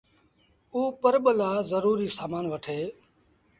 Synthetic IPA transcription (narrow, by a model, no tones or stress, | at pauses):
uːpəɾɓəlaːzəɾuːɾiːsaːmaːnʋəʈʰeː